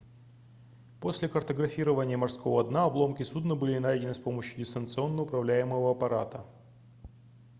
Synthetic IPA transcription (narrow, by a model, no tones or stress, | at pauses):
po̞sʲlʲɪkərt̪əɡɾɐfʲiɾəvənʲɪjəmɐrsko̞vəd̪naɐblˠo̞mkʲɪsud̪nəbɨlʲɪnajdʲɪnɨspo̞məɕjʊdʲɪst̪ənt̪sɨo̞nːəʊpɾɐvlʲæjɪməvəɐpɐɾa̰t̪ə